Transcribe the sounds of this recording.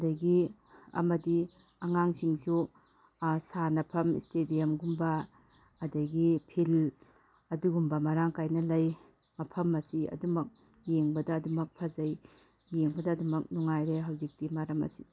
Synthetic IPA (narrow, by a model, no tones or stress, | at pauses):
ɐdɐɡi | ɐ̰mɐdi | ɐŋaŋsiŋsu | sanɐpʰɐmistedijɐmɡumbɐː | dɐɡipʰil | ɐduɡumbɐmɐɾaŋkajnɐlɐj | mɐpʰɐmːɐsiɐ̰dumɐk̚ | jeŋbɐdɐːdumɐk̚pʰɐzɐj | jeŋbɐdɐːdumɐk̚nuŋajɾeɦɐwzik̚timaɾɐmɐ̰si̥